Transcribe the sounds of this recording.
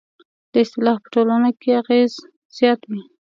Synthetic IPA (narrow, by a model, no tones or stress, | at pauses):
d̪̥əɪst̪ɪlɑfpə̥ʈolanakeaɣez | z̥jɑt̪wi